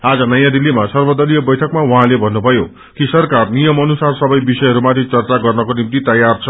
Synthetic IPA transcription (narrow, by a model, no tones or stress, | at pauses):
ad͡zʌnʌjãd̪ilːimasʌrbʌd̪ʌlijʌbʌjʈʰʌkmawʌɦãlebʱʌnːubʱʌjo | kisʌrkarnijʌmʌnusarsʌbʌjbisʌjɦʌɾumat̪ʰit͡sʌrt͡saɡʌrnʌkonimt̪it̪ʌjart͡sʰʌ